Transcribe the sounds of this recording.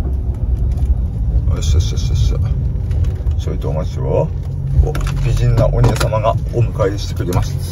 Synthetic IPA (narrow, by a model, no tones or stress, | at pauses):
a̰ɕaɕaɕaɕ | soit̪ːoːmoɕiɾo | obʲiʑĩnːaʔoɲ̟ʲiesamaɡaomɯ̟kaeɕi̥t̪e̞kɯ̟ɾe̞masi̥